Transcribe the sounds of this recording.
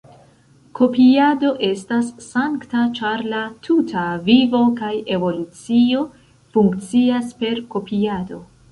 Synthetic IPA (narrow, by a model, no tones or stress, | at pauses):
ko̞piado̞ʔe̞stasːaŋktat͡ʃaɾlatʰutʰavivo̞kaje̞vo̞lut͡sio̞ | fuŋkt͡siaspe̞ɾko̞piado̞